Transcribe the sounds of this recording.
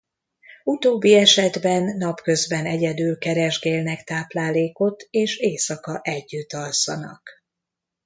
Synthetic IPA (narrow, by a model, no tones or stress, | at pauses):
ut̪oːbːiɛʃɛd̪bɛnːɒpkø̞zbɛnɛɟɛd̪ylkɛɾɛʒɡeːlnɛkt̪aːplaːleːko̞t̪eːʃeːsɒkɒʔɛɟːyt̪ːɒlsɒnɒ̰k